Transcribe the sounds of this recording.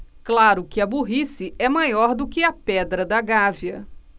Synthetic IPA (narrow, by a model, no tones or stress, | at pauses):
klaɾʊkɪɐbuɦisɪʔɛmajɔɾd̪ʊkɪɐpɛd̪ɾɐd̪ɐɡaviɐ